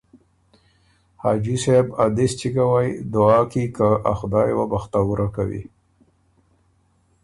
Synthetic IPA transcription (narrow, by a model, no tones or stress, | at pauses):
hɑd͡ʒisabad̪ɪst͡ʃikawajd̪ʊɑːkikaaxd̪ɑjwabaxt̪awuɾakawḭ